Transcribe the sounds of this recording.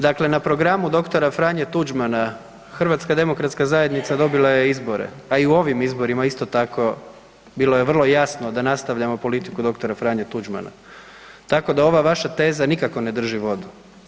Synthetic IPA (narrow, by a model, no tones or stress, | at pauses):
d̪akle̞napɾo̞ɡɾamud̪o̞kt̪oɾafɾaɲet̪ud͡ʒmana | xr̩ʋat̪skad̪e̞mo̞kɾat̪skazaje̞d̪nit̪sad̪o̞bilˠajeizbo̞ɾḛaiuo̞ʋimizbo̞ɾimaist̪o̞t̪ako̞ | bilˠo̞je̞ʋr̩lˠo̞jasnod̪anast̪aʋʎamo̞po̞lit̪ikud̪o̞kt̪oɾafɾaːɲet̪ud͡ʒma̰na̰ | t̪ako̞d̪ao̞ʋaʋaʃat̪e̞ːzanikako̞ne̞d̪r̩ʒiʋo̞d̪u